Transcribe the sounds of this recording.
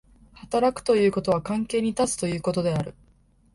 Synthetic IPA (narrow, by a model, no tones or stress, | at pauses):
hat̪aɾakɯ̥t̪o̞jɯ̟ːko̞t̪o̞β̞akãŋke̞ːɲ̟it̪at͡sɨ̥t̪o̞jɯ̟ːko̞t̪o̞d̪e̞aɾɯ̟